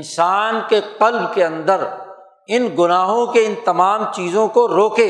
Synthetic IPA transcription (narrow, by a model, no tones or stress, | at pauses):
nsaːnkeqɐlbkeɐ̃nd̪əɾ | ɪnɡʊnaːɦõkeɪnt̪ɐmaːmt͡ʃiːzõkoɾoːkeː